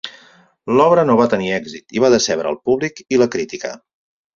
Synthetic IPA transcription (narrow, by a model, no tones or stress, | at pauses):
lɔβɾənoβat̪əniɛɡzit̪iβaðəsɛβɾə̰ːlˠpuβlikiləkɾit̪ikə̰